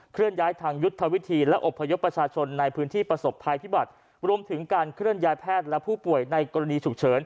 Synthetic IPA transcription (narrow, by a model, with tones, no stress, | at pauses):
kʰɾɯ˥˩ənjaː˦˥jt̪ʰaː˧ŋju˦˥t̪ʰːa˧wi˦˥t̪ʰiː˧lɛ˦˥ʔo˨˩pʰːa˧jo˦˥pːɾa˧t͡ɕʰaː˧t͡ɕʰo˧nːa˧jpʰɯː˦˥nt̪ʰiː˥˩pɾa˧so˨˩pʰːa˧jpʰi˦˥ba˨˩t̪̚ | ɾu˧əmt̪ʰɯ˩˦ŋkaː˧nkʰɾɯ˥˩ənjaː˦˥jpʰɛː˥˩t̪̚lɛ˦˥pʰuː˥˩pu˨˩əjna˧jkɔː˧ɾa˧niː˧t͡ɕʰu˨˩k̚t͡ɕʰɤː˩˦n